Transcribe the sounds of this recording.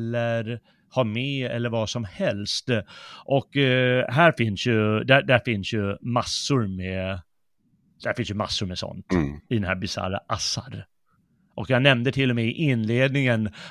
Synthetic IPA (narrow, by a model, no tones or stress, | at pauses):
lːəɾ | hɑɾmɛɛlːəɾvɑsɔmhɛlst̪ʔɔkɦæːɾfɪnsjɵd̪æd̪æɾfɪnsjɵmasːʊɾmɛ | d̪̥hæɾfɪns̬jɵma̰sːʊɾmɛsɔ̰nt̪ɪd̪ɛnhæːɾbɪsa̰ɾa̰ʔasːa̰ɾ | ʔɔkjanɛmd̪ət̪ʰɪlːɔmɛʔɪnleːd̪̚nɪŋən